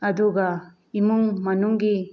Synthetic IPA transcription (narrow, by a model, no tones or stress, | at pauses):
ɐd̪uɡa | imuŋmɐnuŋɡi